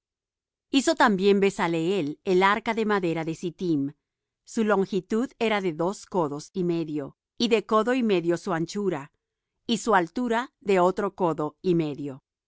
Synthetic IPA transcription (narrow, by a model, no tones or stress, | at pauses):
iso̞t̪ambje̞mbe̞saleele̞laɾkaðe̞maðe̞ɾaðe̞sit̪im | sulo̞ŋxit̪uðe̞ɾaðe̞ðo̞sko̞ðo̞sime̞ðjo̞ | iðe̞ko̞ðo̞ime̞ðjo̞suant͡ʃuɾa | isualt̪uɾaðe̞o̞t̪ɾo̞ko̞ðo̞ime̞ðjo̞